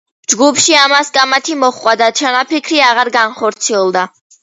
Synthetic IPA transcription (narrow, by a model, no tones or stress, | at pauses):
d͡ʒɡupʰʃiamaskʼamat̪ʰimɔχkʼwad̪at͡ʃʰanapʰikʰɾiaʁaɾɡanχɔɾt̪sʰiɛlˠd̪a